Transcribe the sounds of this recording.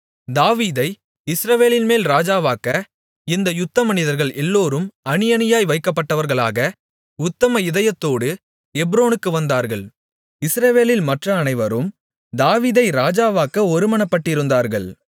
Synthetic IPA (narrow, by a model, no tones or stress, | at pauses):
d̪aːʋiːðɐɪ | ɪsɾɐʋeːlɪlmeːlɾaːd͡ʒaːʋaːkːɐ | ɪnd̪ɐjʊt̪ːɐmɐnɪðɐɾɣɐɭɛlːoːɾɯmɐnɪjɐnɪjaːjʋɐɪkːɐpːɐʈːɐʋɐɾɣɐɭa̰ːɣɐ | ʊt̪ːɐmɐɪðɐjɐt̪ːoːɽɯ | ɛbɾoːnɯkːɯʋɐnd̪aːɾɣɐɭ | ɪsɾɐʋeːlɪlmɐʈrɐːnɐɪʋɐɾɯm | d̪aːʋiːðɐɪɾaːd͡ʒaːʋaːkːɐɔɾɯmɐɳɐpːɐʈːɪɾɯnd̪aːɾɣɐɭ